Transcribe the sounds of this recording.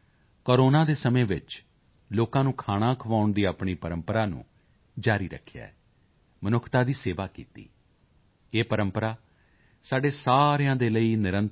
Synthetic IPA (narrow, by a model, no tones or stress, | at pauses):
koːɾoːnãːd̪eːsəmẽːʋɪt͡ʃ | loːkãːnũːkʰaːɽ̃ãːkʰəʋaːʊɳd̪iːaːpɳiːpəɾəmpəɾaːnṵ̃ː | d͡ʒaːɾiːɾə̰kʰːja̰ːɛ | mənʊkʰt̪aːd̪iːseːʋaːkḭːt̪ḭː | eːpəɾəmpəɾaː | saːɖeːsaːɾjãːd̪eːləiːnɪɾənt̪